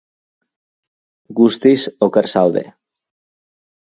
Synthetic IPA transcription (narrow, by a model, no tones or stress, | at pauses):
ɡust̪isokeɾsawðe̞̰